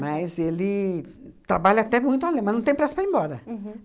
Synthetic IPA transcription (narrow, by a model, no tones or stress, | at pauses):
mɐjzelɪt̪ɾabaʎɐat̪ɛmũj̃t̪ʊalẽmɐznɐ̃w̃t̪ẽjpɾɛsɐpɾɐẽmbɔɾɐ